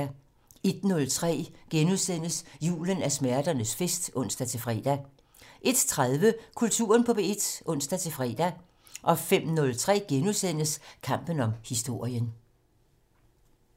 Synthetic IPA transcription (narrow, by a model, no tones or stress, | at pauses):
e̝d̥nɔ̽lt͡sʰʁɛ̰ːɡ̥enusen̰əsjṵːlənæsmæɐd̥ɐnəsfesd̥ɔ̽n̰sd̥æt͡sʰe̝fʁɛ̰ːd̥æ | ʔe̝d̥t͡sʰʁaðˠʋəkʰult͡sʰṵːɐnpʰɒ̽b̥e̝ed̥ʔɔ̽n̰sd̥æt͡sʰe̝fʁɛ̰ːd̥æ | ʔɒ̽fem̰nɔ̽lt͡sʰʁɛ̰ːɡ̥enusen̰əskʰɑ̈m̰b̥ən̩ɒ̽mhisd̥o̝ɐ̰jən